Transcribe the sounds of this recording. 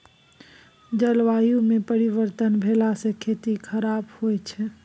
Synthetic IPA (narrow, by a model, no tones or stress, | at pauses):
d͡ʒəlʋajũmepəɾiʋəɾt̪ənbʱelasekʰet̪ikʰəɾabhojt͡ʃʰɛ